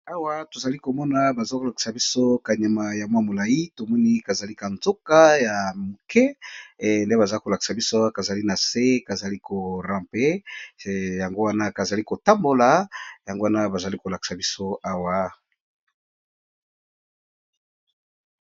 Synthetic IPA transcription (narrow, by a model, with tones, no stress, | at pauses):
a˦wa˦to˨za˨li˦ko˨mɔ˦na˨ba˨zo˦ko˨la˨ki̥˨sa˨bi˦so˦ka˨ɲa˨ma˨ja˨mwa˦mo˨la˨ji˦to˨mɔ˦ni˦ka˨za˨li˦ka˨nzo˦ka˦ja˨mu˨kɛ˦˨ | nde˦ba˨za˨i˦ko˨la˨ki̥˨sa˨bi˦so˦wa˦ka˨za˨li˦na˨se˦ka˨za˨li˦ko˨rã˨mpe˦˨ | ja˨ŋɡo˦wa˦na˦ka˨za˨li˦ko˨ta˦mbo˨la˨ja˨ŋɡo˦wa˦na˦ba˨za˨li˦ko˨la˨ki̥˨sa˨bi˦so˦a˦wa˨